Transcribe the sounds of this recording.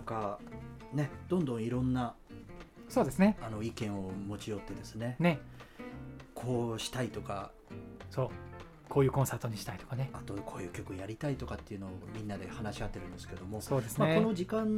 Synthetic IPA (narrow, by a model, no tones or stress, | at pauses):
ŋka | ne̞d̪̥õ̞nd̪õ̞ɰ̃iɾõ̞nːa | so̞ːd̪esɨneano̞ikẽ̞ɰ̃o̞mo̞t͡ɕijo̞t̪ːe̞d̪e̞sɨne̞ne | kʰo̞ːɕi̥t̪ait̪o̞ka̰ | soː | kʰoːjɯ̟ːkõsaɯ̥t̪o̞ɲ̟iɕi̥t̪ait̪okaneat̪o̞kʰo̞ːjɯ̟ːkʲo̞kɯ̟jaɾʲit̪ait̪o̞kat̪ːe̞iɯ̟no̞ːmʲĩnːad̪e̞hanaɕiat̪ːe̞ɾɯ̟̃nd̪e̞sɨ̥ked̪o̞mo̞so̞ːd̪esɨnmaeko̞no̞ʑikãn